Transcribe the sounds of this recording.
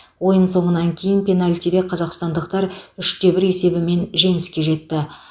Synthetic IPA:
wo̞jənso̞ɴənɑŋkʲʰe̞jɪnpʰʲe̞nalʲt̪id̪e̞qʰɑzɑqst̪ɑnd̪əqt̪ɑɾʏʃt̪e̞bɪɾe̞se̞bɪme̞nʒe̞ŋɪskʲe̞ʒe̞t̪ːɪ

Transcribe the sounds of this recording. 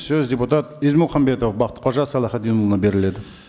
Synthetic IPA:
sɵzdʲe̞put̪at̪izmʊlˠχɑmbe̞t̪ofbɑqə̥t̪qʰoʒɑsɑlˠɑχɑt̪d̪enulˠənɑbe̞ɾɪle̞d̪ɪ

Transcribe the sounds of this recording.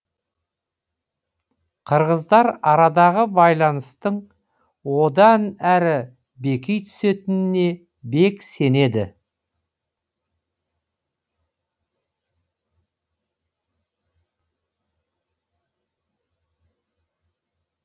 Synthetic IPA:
qʰəɾʁəzd̪ɑɾɑɾɑd̪ɑʁəbɑjlˠɑnəst̪əɴ | wo̞d̪ɑnæɾɪ | be̞kʲejt̪ʰʏ̥se̞t̪ɪnɪne̞ | be̞kse̞ne̞d̪ɪ̰

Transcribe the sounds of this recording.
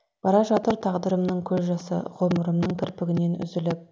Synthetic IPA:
b̥ɑɾɑʒɑt̪əɾt̪ʰɑʁd̪əɾəmnəɴkʲʰɵzʒɑsə̰ʁoməɾəmnəɴkʲʰɪɾpɪɡʲɪne̞nʏ̰zɪlɪp̚

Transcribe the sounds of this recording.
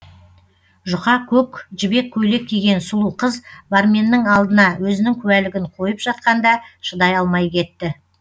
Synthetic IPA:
ʒʊqɑkʲʰɵkʒɪbe̞kʲʰːɵjle̞k̚ʲʰːeɡʲe̞nsʊlˠuqəzbaɾmʲe̞nːɪŋɑlˠd̪ənɑwɵzɪnɪŋkʲʰɵwælɪɡʲɪɴqʰo̞jəpʒ̥ɑt̪̚qɑnd̪ɑʃəd̪ɑjɑlˠmɑjkʲʰe̞t̪ːɪ

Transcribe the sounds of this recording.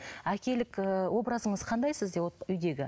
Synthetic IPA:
ækʲe̞lɪkəwo̞bɾɑzəɴəzqʰɑnd̪ɑjsɪzd̪ewot̪ʏjd̪e̞ɡʲɪ

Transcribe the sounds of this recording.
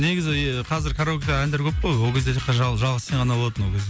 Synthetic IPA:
neɡʲɪzɪqʰɑzɪɾkʰaɾokʲd̪ɑænd̪eɾkʲʰɵp̚qojwolˠkʲe̞zd̪eiqːɑʒɑʒɑlˠʁəst̪eɴʁɑnɑbo̞lˠɑt̪ənwokʲʰzd̪e

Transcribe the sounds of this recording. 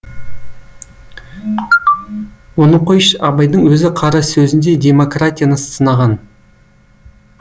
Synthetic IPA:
wonoqojʃɑbɑjd̪əɴwɵzɪqʰɑɾɑsɵzɪnd̪e̞d̪ʲe̞mo̞krat̪ʲijanəst̪ənɑʁɑn

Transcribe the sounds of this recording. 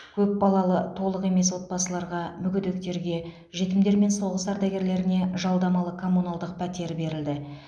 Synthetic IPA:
kʲʰɵp̚bɑlˠɑlˠət̪ʰo̞lˠəqe̞me̞swo̞t̪̚bɑsəlˠɑɾʁɑmʏɡʲʏd̪e̞kt̪e̞ɾɡʲe̞ | ʒet̪ɪmd̪eɾme̞nso̞ʁəsɑɾd̪ɑɡʲe̞ɾle̞ɾɪne̞ʒɑlˠd̪ɑmɑlˠəkʰo̞mːunɑlˠd̪əq̚pʰæt̪e̞ɾbe̞ɾɪld̪ɪ

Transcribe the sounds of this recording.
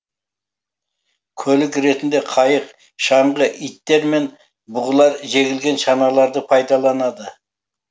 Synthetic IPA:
kʲʰɵlɪkɾe̞t̪ɪnd̪e̞qʰɑjəq | ʃɑɴʁəʔijt̪ːe̞ɾme̞n | bʊʁəlˠɑɾʒe̞ɡʲɪlɡʲe̞nʃɑnɑlˠɑɾd̪əpʰɑjd̪ɑlˠɑnɑd̪ə

